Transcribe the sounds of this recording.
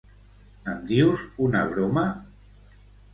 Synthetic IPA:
əmd̪iwzuna̰βɾoma

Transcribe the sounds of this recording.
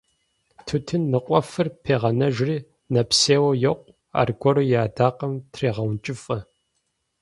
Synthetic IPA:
tʰɨtʰɨnːɨqʷʼɔfɨrpʰeːʁɐnɐʒriː | nɐpseːwɐjɐqʷʼ | a̰ːrɡʷɔɾɐjaːdaːqɐmtʰreːʁɐwnt͡ʃʼɪfʼɐ

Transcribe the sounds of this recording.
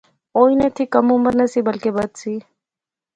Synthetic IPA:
oːinet̪ʰiːkəmuməɾnəsiːbəlkebət̪siː

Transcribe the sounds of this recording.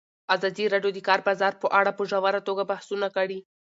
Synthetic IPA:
azɑd̪iɾɑɖjod̪əkɑɾbɑzɑɾpəʔaɽapəʒawaɾat̪oɡabahsunakaɽi

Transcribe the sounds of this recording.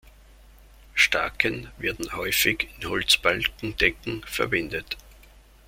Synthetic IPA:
ʃtaɐkʰənveːɐdn̩hɔʏfɪçɪnhɔlt͡sb̥alkŋ̩d̥ɛkŋ̩fɛɐbɪndət

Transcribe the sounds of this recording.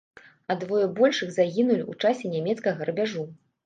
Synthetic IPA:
ɐd̪vɔjɛbɔlʲʂɨɣzaɣʲinulʲut͡ʂasʲɛnʲamʲɛt̪skɐɣɐɾɐbʲaʐu

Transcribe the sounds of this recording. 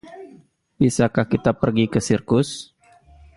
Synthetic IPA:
bisakahkit̪apərɡikəsirkʊs

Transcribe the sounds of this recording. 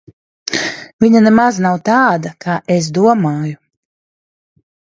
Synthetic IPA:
viɲanemaznawt̪aːd̪akʰaːʔes̬d̪uɔmaːju

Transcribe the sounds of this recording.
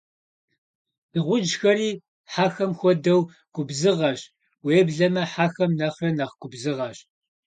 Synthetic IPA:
ɨʁʷʊd͡ʒxɐɾiː | ħaːxɐmxʷɔdɐw | ɡ̥ʷʊbzɨʁɐɕ | weːbɮɐmɐħaːxɐmnɐχrɐnɐχɡʷʊbzɨʁɐɕ

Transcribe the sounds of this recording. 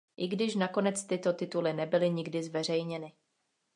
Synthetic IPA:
ʔɪɡdɪʃnako̞nɛt͡st̪ɪt̪o̞t̪ɪt̪ulɪnɛbɪlɪɲɪɡdɪzvɛr̝ɛjɲɛnɪ

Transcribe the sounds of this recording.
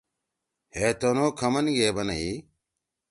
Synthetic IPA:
heːt̪oːnoːkʰəmənɡeːbənəiː

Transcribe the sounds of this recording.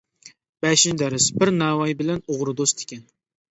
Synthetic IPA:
b̥ɛʃind̪ɛɾɪsbɪɾnæːwɑjbɪlɛnoʁɾʊd̪ost̪ʰɪ̥kʲɛn

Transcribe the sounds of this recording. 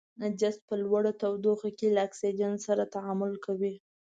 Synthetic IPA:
nad͡ʒas̚pəlwaɽat̪awd̪oxakelaaksid͡ʒansaɾat̪aʕamʊlkʰawi

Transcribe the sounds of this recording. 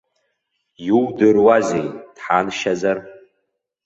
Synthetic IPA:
juwdɨrwazejd̥ħanʃazar

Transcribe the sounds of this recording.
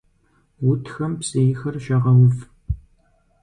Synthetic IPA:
wʊtʰxɐmpsejɪxɐrʃɐʁɐwʊf

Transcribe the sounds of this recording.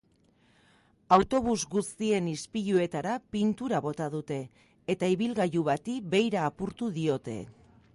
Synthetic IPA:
awt̪o̞β̞uzɡust̪ie̞nispiʎue̞t̪aɾapint̪uɾaβo̞t̪að̞ut̪e̞ː | t̪aiβilɣaʎuβat̪ibe̞jɾaːpuɾt̪uðio̞t̪e̞̰

